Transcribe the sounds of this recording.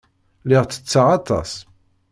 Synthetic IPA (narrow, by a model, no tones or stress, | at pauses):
lɪʁt͡sːə̥t͡sːaʁɑt̪ˤɑ̰s